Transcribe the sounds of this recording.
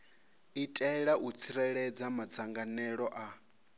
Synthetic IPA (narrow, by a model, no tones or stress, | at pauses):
itʼɛɺaʔut͡sʰiɾɛɺɛd͡zamad͡zaŋɡanɛɺɔʔa